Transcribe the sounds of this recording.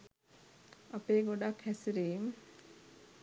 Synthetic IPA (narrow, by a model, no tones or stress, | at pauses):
apeːɡoɖakhæsiɾiːm